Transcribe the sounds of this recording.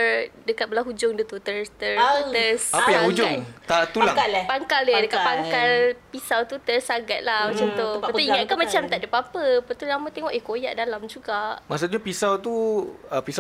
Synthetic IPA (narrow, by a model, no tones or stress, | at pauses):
dəkat̪̚bəlaɦud͡ʒʊŋdut̪ut̪əst̪ərt̪əsapəjaŋhud͡ʒʊŋt̪aʔt̪ulapaŋkalədəkat̪̚paŋkalpisawt̪ut̪ərsaɡat̪̚lamat͡ʃamt̪opət̪uiŋaʔkamat͡ʃamt̪aʔdəpapəpət̪ulamə̃t̪eŋɔʔekojaʔdalamd͡ʒuɡaʔmas̬uɲapisawt̪uəpisa